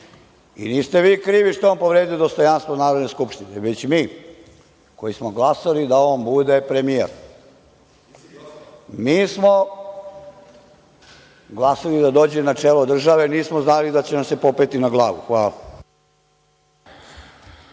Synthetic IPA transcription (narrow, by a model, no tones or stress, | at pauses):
ḭniːst̪e̞ʋiːkɾiːʋiʂt̪oampo̞ʋɾeːd̪ijd̪ost̪ojanst̪ʋonaːɾod̪neskupʂt̪ineʋet͡ɕmiː | ko̞jismoɡlˠasalid̪aombud̪epɾemijḛɾ | miːsmo | ɡlˠasalid̪ad̪o̞ːd͡ʑenat͡ʂeːlod̪r̩ʒaʋeniːsmoznalid̪at͡ɕenamse̞popet̪inaɡlˠaːʋṵxʋaːla̰